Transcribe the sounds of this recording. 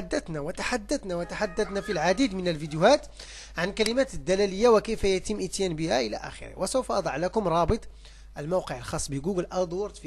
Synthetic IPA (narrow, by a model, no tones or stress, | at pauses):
ad̪ːət̪næwət̪aħad̪ːət̪næwæt̪aħad̪ːæθnæfilʕad̪id̪mənəlvid̪jʊhæt̪ | ʕankæləmæt̪əd̪ːælæləjːawəkəjfæjæt̪əmːʔət̪jænbəhæ̰ʔəlæ̰ʔæ̰xə̰ɾə̰hwʔæsəwfʔɑd̪ˤɑʕlækʊmɾˤɑbɨt̪ˤ | ʔəlmawqəʕəlxɑsˤːbəɡuɡəlʔɑd̪ˤwɑɾt̪fi